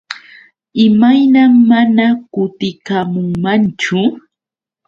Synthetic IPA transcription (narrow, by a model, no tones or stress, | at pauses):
ɪmajnamːanakʊt̪ɪkamʊŋmant͡ʃʊ